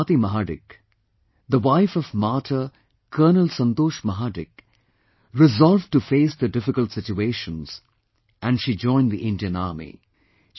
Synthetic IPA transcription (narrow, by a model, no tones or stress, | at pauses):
t̪imɐɦaːɖɪ̰k | d̪əʋaɪfɔvmaːʈʰə | kʰəːnəlsʌ̃nt̪oːʃmɐɦaːɖɪk | ɾɪzɔlv̚ʈufeːsd̪əɖɪfɪkəlʈsɪt͡ʃueːʃə̃nz̥ | ʔæ̃nɖʃid͡ʒɔ̃ɪ̃nd̪iʔɪ̃nɖijə̃na̰ːmḭ